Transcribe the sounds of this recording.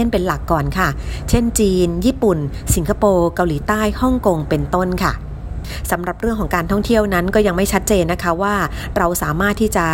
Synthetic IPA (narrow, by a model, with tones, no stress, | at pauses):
npe˧nla˨˩kːɔː˨˩nkʰa˥˩t͡ɕʰe˥˩nt͡ɕiː˧njiː˥˩pu˨˩nsi˨˩˦ŋkʰa˧poː˧ka˧wliː˩˦t̪aː˥˩jhɔ˥˩ŋko˧ŋpe˧nt̪o˥˩nkʰa˥˩ | sa˩˦mɾa˨˩p̚ɾɯ˥˩əŋkʰɔː˩˦kaː˧nt̪ʰɔ˥˩ŋt̪ʰi˥˩əwna˦˥nkɔː˥˩ja˧ŋma˥˩jt͡ɕʰa˦˥t̪̚t͡ɕeː˧nːa˦˥kʰa˦˥waː˥˩ | ɾa˧wsaː˩˦maː˥˩t̪ʰːiː˥˩t͡ɕa˨˩